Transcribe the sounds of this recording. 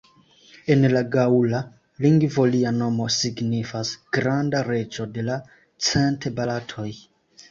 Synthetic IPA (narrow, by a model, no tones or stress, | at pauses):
enlaɡaula | liŋɡvoliano̞mo̞siɡnifasɡ̥ɾandaɾe̞t͡ʃo̞de̞la | t͡sentʰebalatʰo̞j